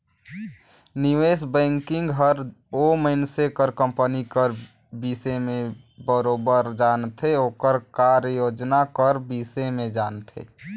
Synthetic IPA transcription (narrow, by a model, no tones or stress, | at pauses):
niʋesbɛ̃ŋkɪ̃ŋɡɦəɾoməɪnsekəɾkə̃mpənikəɾ | bisemẽ | bəɾobəɾd͡ʒant̪ʰeoːkəɾkaɾəjoːd͡ʒnakəɾbisemẽd͡ʒant̪ʰḛ